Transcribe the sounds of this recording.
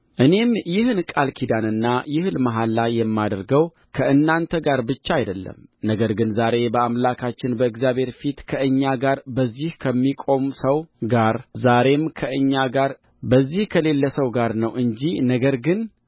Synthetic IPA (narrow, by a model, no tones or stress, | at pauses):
ʔɨne̞mjɪhnkʼalkʰid̪anɨnːajɪhlmaɦalːajːɛmːad̪əɾɡəw | kʰəʔɨnːant̪ʰəɡaɾbɨt͡ʃːaajd̪əlːə̰mnəɡəɾɡɨnzaɾe̞bəamlakʰat͡ʃːɪnbəɨɡzjaβhe̞ɾfit̪kʰəʔɨɲːaɡaɾbəzːihkʰəmːikʼo̞msəwɡaɾzaɾe̞mkʰəʔɨɲːaɡaɾ | bəzːihkʰəle̞lːəsəwɡaɾnəwʔɨɲd͡ʒinəɡəɾɡɨn